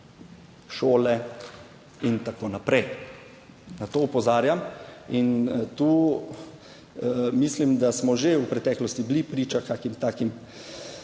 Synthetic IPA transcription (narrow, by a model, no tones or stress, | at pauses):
ʃoːlɛ | int̪akoːnapɾɛj | nat̪oːupɔzaːɾjamint̪uː | mislimd̪asmɔʒeuwpɾɛt̪ɛːklɔst̪iblipɾiːt͡ʃakaːkimt̪aːkim